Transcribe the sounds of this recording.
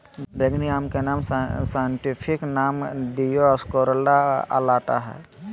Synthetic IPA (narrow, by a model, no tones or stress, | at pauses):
bʱeɡnijaːmkenaːmsaːjəɳʈipʰɪknaːmd̪ijoəskoɾəlːaə̰laːʈa̰ɦɛ̰ː